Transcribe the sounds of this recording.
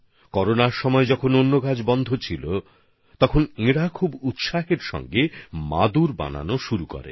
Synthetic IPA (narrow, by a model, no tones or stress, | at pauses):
kɔɾonaɾʃɔmɔed͡ʑɔkʰononːoɡad͡ʑbɔnd̪ʱot͡ɕʰilo | t̪ɔkʰoneɽakʰubut̪ʃaheɾʃɔ̰ŋɡema̰d̪uɾba̰na̰noʃuɾuko̰ɾḛ